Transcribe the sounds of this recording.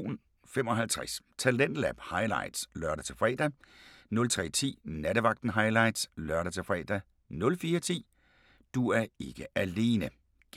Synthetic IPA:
n | femɒ̽ɦælt͡sʰʁast͡sʰælen̰d̥læb̥hɑ̈ɪlɑ̰̈ɪd̥slɶɐɾæt͡sʰe̝lfʁɛ̰ːd̥ænɔ̽lt͡sʰʁɛ̰ːt͡sʰḭːnæɾəʋɑ̈ɡ̥̚d̥n̩ɦɑ̈ɪlɑ̈ɪd̥slœɐɾæt͡sʰe̝fʁɛ̰ːd̥æ | nɔ̽lfiːɐt͡sʰḭː | d̥uæɐe̝ɡ̥əʔæle̝ːnə̥

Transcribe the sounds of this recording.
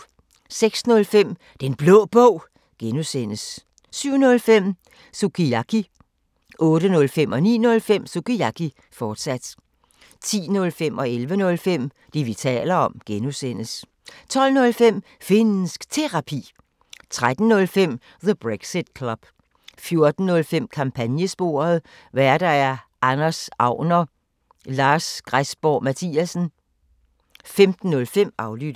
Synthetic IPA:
seɡ̥snɔ̽lfem̰ | d̥enb̥lɔːb̥ɔ̰ʊ̰ | ɡ̥enusen̰əs | syʊ̰nɔ̽lfem̰ | sukʰiakʰi | ʔɔ̽ːɾ̥ənɔ̽lfem̰ɒ̽nḭːnɔ̽lfem̰sukiɑkʰi | fɒːd̥sæd̥ | t͡sʰḭːnɔlfemɒ̽elʋənɔ̽lfem̰ | d̥iʋit͡sʰɛ̰ːlɐɒ̽mɡ̥enusen̰əs | t͡sʰɒ̽l̰nɔ̽lfem̰fenn̩sɡ̥t͡sʰe̝ʁɑ̈pʰḭː | t͡sʰʁad̥n̩nɔ̽lfem̰ | ðəb̥ʁeɡ̥sid̥̚kʰlɒb̥ | fjo̝ɐd̥n̩ːɔ̽lfem̰kʰɑ̈mpʰænjəsb̥o̝̰ɐð̞̩ˠ | ʋæɐd̥ææɐ | ʔɑnɐsɑ̈ʊnɐ | lɑ̈ːsɡ̥ʁasb̥ɒːmæt͡sʰiːæsn̩ | femd̥n̩ːɔ̽lfem̰ɑ̈ʊlyd̥

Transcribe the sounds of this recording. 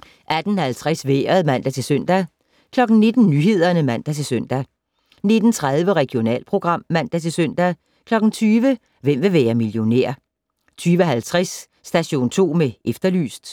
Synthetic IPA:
ʔæd̥n̩hælt͡sʰʁasʋeːɐðˠmæn̰d̥æt͡sʰe̝lsøn̰d̥æ | kʰlɒ̽ɡ̥n̩ne̝d̥n̩nyɦe̝ð̰ˠɐnəmæn̰d̥æt͡sʰe̝lsøn̰d̥æ | ne̝d̥n̩t͡sʰʁað̞ˠʋəʁɛɡ̥jo̝nɛ̰ːlpʰʁo̝ɡ̥ʁɑ̈m̰ːæn̰d̥æt͡sʰe̝lsøn̰d̥æ | kʰlɒ̽ɡ̥n̩t͡sʰyːʋə | ʋem̰ʋe̝ʋeːɐmiljo̝nḛɐ̰ | t͡sʰyːʋəɦælt͡sʰʁasː | d̥æɕo̝̰ːnt͡sʰo̝̰ːmeʔefd̥ɐly̰ːsd̥

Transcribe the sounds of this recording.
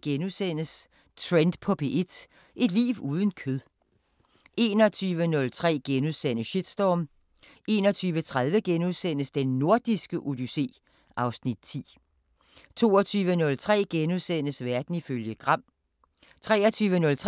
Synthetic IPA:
ɡ̥enuðˠsen̰əs | t͡sʰʁend̥pʰɒ̽pʰe̝ʔe̝d̥ | ʔe̝d̥lḭːʋuːð̞ˠən̩kʰøðˠ | ʔe̝ːnɒt͡sʰyːʋənɔ̽lt͡sʰʁɛ̰ːɡ̥enuðˠsen̰əɕid̥sd̥ɒːm | ʔe̝ːnɒt͡sʰyːʋət͡sʰʁaðˠʋəɡ̥enuðˠsen̰əsd̥enːo̝ɐd̥isɡ̥əʔud̥yse̝̰ː | ʔɑ̈ʊsnid̥̚t͡sʰḭː | t͡sʰo̝̰ːɒt͡sʰyːʋənɔ̽lt͡sʰʁɛ̰ːɡ̥enuðˠsen̰əsʋæɐd̥n̩iføljəɡ̥ʁɑ̈m̰ | t͡sʰʁɛːɐt͡sʰyːʋənɔ̽lt͡sʰ

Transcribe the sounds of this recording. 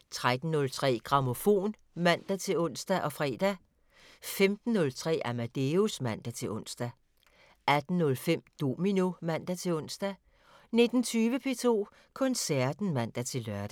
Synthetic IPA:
t͡sʰʁad̥n̩ːɔ̽lt͡sʰʁɛ̰ːɡ̥ʁɑ̈mo̝fo̝̰ːn | mæn̰d̥æt͡sʰe̝lɔ̽n̰sd̥æʔɒ̽fʁɛ̰ːd̥æ | femd̥n̩ːɔ̽lt͡sʰʁɛ̰ːæmæd̥eusmæn̰d̥æt͡sʰe̝lʔɔ̽n̰sd̥æ | ʔæd̥n̩ːɔ̽lfem̰d̥o̝ːmino̝mæn̰d̥æt͡sʰe̝lɔ̽n̰sd̥æ | ne̝d̥n̩t͡sʰyːʋəpʰe̝t͡sʰo̝̰ː | kʰɔ̽nsæɐd̥n̩mæn̰d̥æt͡sʰe̝lɶɐd̥æ

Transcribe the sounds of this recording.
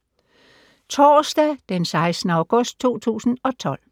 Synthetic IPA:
t͡sʰɒːsd̥ɛd̥ensɑ̈ɪsnəɑ̈ʊɡ̥ɔ̽sd̥̚t͡sʰo̝̰ːt͡sʰṵːsn̩ɒ̽t͡sʰɒ̽l̰

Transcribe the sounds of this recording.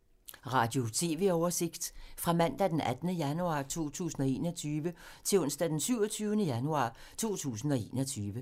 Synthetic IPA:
ʁɑ̈ːd̥jo̝t͡sʰe̝ːʋe̝ɒʊɐse̝ɡ̥d̥fʁɑ̈mæn̰d̥æd̥enæd̥nəjænuɑ̈ːt͡sʰo̝̰ːt͡sʰṵːsn̩ɒ̽e̝̰ːnɒt͡sʰyːʋət͡sʰe̝lɔ̽n̰sd̥æd̥ensyʊ̰ɒt͡sʰyːʊnəjænuɑ̰̈ː | t͡sʰo̝̰ːt͡sʰṵːsn̩ɒ̽e̝ːnɒt͡sʰyːʋə

